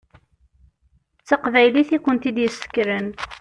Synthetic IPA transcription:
t͡sːaqvæjliθikʷənt̪id̪jəsːə̥kːɾən

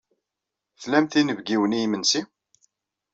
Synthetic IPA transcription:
θlæmθinəvɡiwənijmənsi

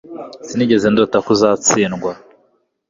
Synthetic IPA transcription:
z̥iniɟezendotakuzat͡siːnɡwa

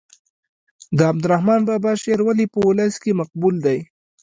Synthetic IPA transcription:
d̪əab̚d̪ʊɾahmɑnbɑbɑʃeɾwalipəwʊləskemaq̚buld̪aj

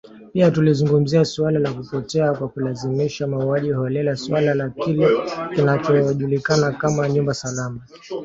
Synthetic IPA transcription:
piatulizuŋɡum̩ziasualalakupɔtɛakwakulazimiʃamauaʄihɔlɛlaswalalakilɛkinat͡ʃɔʄulikanakamaɲumbasalama

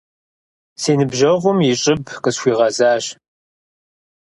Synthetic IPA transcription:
seːnɨbʒɐʁʷʊmjɪɕʼɪbqəsxʷiːʁɐzaːɕ

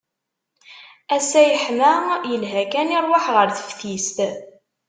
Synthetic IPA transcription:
æsæjəħmæjəlɦækæniɾˤwaħʁəɾθə̥fθist̪

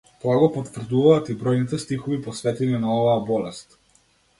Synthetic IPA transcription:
t̪ɔaɡɔpɔt̪vr̩d̪uvaːt̪ibɾɔjnit̪ɛst̪ixɔvipɔsvɛt̪ɛninaɔvaːbɔlɛst̪

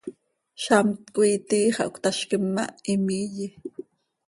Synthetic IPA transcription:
ʃamt̪kʷʼuiːt̪iːχɑʔṵkʷt̪aʃkɪmːa̰imiːji

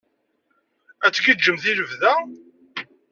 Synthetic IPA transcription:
æt͡sːɡid̪d͡ʒəmθiləvðæ

